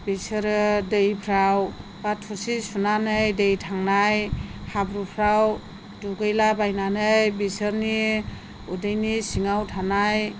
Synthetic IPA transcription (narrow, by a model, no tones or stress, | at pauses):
bisɯɾɯdɯjpʰɾawbatʰusisunanɯjdejtʰaŋnajhabɾupʰɾaw | duɡɯjlabajnanɯjbisɯɾni | udɯjnisiŋawtʰanaj